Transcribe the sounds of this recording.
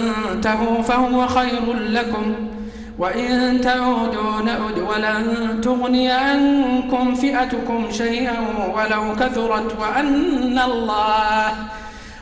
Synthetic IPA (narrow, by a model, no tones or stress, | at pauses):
nt̪ahuːfahʊwaxajɾʊnlakʊm | waʔɪnt̪aʕuːd̪uːnaʔʊd̪walant̪ʊɣnɪːʕankʊmfɪʔat̪ʊkʊmʃajʔanwalawkaθʊɾˤɑt̪waʔanːalˤːɑːh